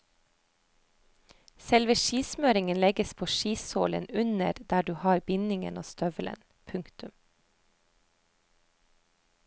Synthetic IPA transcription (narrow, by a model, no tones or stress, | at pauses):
sɛlʋəʃiːsmøːɾɪŋənlɛɡəspʰoːʃiːshoːlə̰nʉnəɾd̪æːɖʉːhɑːɾbɪnɪŋə̰no̰ːst̪œʋələ̰n | pʰʉŋkt̪ʉm